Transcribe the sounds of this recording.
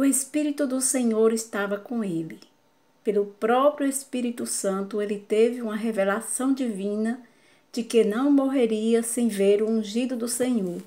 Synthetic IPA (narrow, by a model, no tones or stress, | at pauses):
ʊespiɾit̪ʊd̪ʊsẽɲoɾɪst̪avɐkõelɪ | pelʊpɾɔpɾjuespiɾit̪usɐ̃nt̪ʊelɪt̪evɪũmɐɦevelasɐ̃w̃d͡ʒivĩnɐ | d͡ʒɪkenɐ̃w̃moɦeɾiɐsẽj̃veɾʊũʒid̪ʊd̪ʊsẽɲoɾ